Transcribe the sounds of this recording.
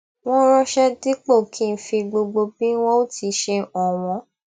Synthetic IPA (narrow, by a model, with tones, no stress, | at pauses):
w̃ɔ̃˦ɾ̃ɔ̃˧ʃɛ˦di˦k͡po˦˨kʰĩ˦˧n̩˦fĩ˧ɡ͡bo˧ɡ͡bo˧bĩ˦w̃ɔ̃˦o˦ti˨˧ʃe˧ɔ˨w̃ɔ̃˨˧˦